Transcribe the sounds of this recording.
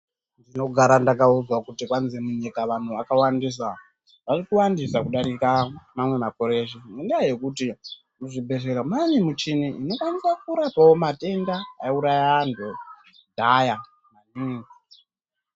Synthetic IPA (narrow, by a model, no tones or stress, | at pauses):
ndino̞ɡʱaɾandakauzwakutikwanzemuɲikaʋan̤uʋakawandis̬a | ʋarikuwandisakuɗaɾikamamwe̞mako̞ɾe̞ʃimundiaje̞kuti | muʐibʱe̞ʐeɾamanimut͡ʃiniinofanisak̚uɾapawomate̞ndaːuɾajando | dʱaja | maniːŋɡi